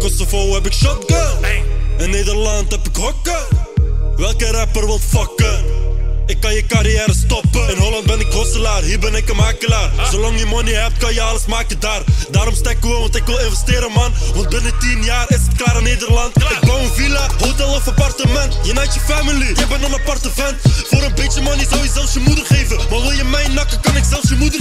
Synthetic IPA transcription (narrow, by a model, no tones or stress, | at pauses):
kɔsovowɦɛpɪkʃɔt̚ɡə | ɪnːeːdərlɑntɦɛpɪkɦɔkə | ʋɛlˠkəɾɛpərʋɪlˠfɑkə | ɪkːɑnjəkaɾijɛːɾəstɔpəɪnɦolɑnt̚bɛnɪkɦɔsəlaːrɦiːrbɛnɪkəmaːkəlaːrzolɑŋjəmɔniɦɛp̚tkɑnjəɑləsmaːkədaːrdaːɾɔmstakːəoʋɔ̃ntɪkʋɪlɪ̃nvəsteːɾəmɑnʋɔ̃nt̚bɪnətinjaːɾɪsətklaːɾəneːdərlɑntɪk̚bɔwənvilaɦotɛlˠɔfapɑrtəmɛntjənɛjt͡ʃəfamilijəbɛnənapɑrtəvɛntfoːɾənbett͡ʃəmɔnizɔwjəzɛlˠfsjəmudərχeːvəmaʋɪlˠjəmɛjnɑkəkɑnɪksɛlˠfsjəmudər